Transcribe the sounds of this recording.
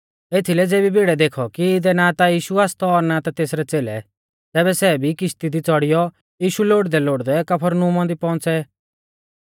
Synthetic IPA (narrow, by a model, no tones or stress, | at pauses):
et̪ʰilɛd͡zeːbibʱiɽɛd̪eːkʰɔkiɪd̪ɛnat̪ajiːʃuaːst̪ɔːɾnat̪at̪eːsɾɛt͡seːlɛ̰ | t̪ɛːβɛsɛbʱikɪʃt̪id̪it͡sɔɽɪjɔ | jiːʃuloːɽd̪ɛloːɽd̪ɛkɐpʰəɾnũmɔ̃nd̪ipɔ̃nt͡sɛ